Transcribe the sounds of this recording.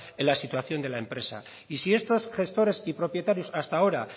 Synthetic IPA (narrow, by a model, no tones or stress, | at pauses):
elːasit̪waθjo̞nd̪e̞laempɾe̞sa̰ | isie̞st̪o̞sxe̞st̪o̞ɾe̞sipɾo̞pje̞t̪aɾjusast̪ao̞ɾa